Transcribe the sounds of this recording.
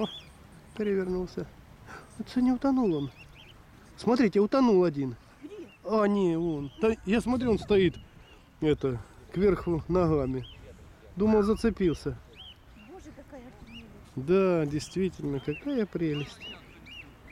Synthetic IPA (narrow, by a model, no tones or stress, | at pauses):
pʲɪɾʲɪvʲɪrnulˠsʲə | ot̪sɨnʲɪʊt̪ɐnulˠon | smɐt̪ɾʲitʲɪʊt̪ɐnulˠɐdʲin | anʲeont̪ajasmɐt̪ɾʲuonst̪ɐit̪ | ɛt̪əkvʲerxʊnɐɣamʲɪ | d̪uməlˠzət̪sɨpʲilˠsʲə | j | d̪adʲɪjst̪vʲitʲɪlʲnəkɐkajəpɾʲelʲɪsʲtʲ